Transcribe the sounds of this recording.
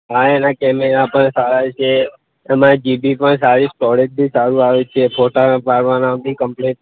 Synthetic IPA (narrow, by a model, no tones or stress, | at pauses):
ɦaenakɛmeɾapəɳsaɾat͡ʃʰeː | mãd͡ʒibipəɳsaɾisʈɔɾeʈ̚t̪isaɾuaʋet͡ʃʰepʰoʈapaɾʋanad̪ikəmpleʈ